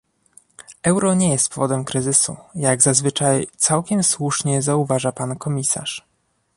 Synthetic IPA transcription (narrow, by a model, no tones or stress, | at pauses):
ʔɛwɾɔɲejɛst̪pɔvɔd̪ɛmkɾɘzɘsṵjaɡzazvɘt͡ʂajt̪sawkʲɛmswuʂɲɛzauvaʐapankɔmʲisa̰ʂ